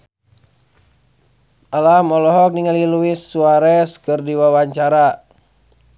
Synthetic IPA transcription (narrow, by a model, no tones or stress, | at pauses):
ʔalamɔlɔɦɔk̚niŋaliluisːuaɾɛskɨrdiwawaɲt͡ʃaɾa